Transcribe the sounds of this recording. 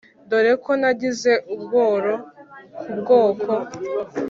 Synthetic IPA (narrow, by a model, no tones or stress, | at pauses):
ndoɾekʰonaɟize̞ʔubɡo̞ːɾo̞kʰubɡoːkʰo